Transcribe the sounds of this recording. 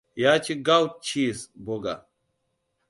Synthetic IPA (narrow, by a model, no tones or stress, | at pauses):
jaːt͡ɕʰiɡawt̪̚t͡ɕʰiːsboɡa̰